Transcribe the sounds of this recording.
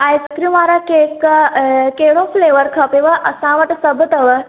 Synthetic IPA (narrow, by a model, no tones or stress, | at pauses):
ajskɾiʋaːɾakek | keɽõfleʋəɾkʰɐpiʋəʔɐsãʋəʈsəbət̪əʋə